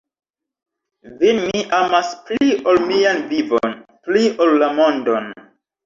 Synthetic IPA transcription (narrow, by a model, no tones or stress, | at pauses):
vinmiʔamaspliʔolmianvivo̰npliʔolːamõndon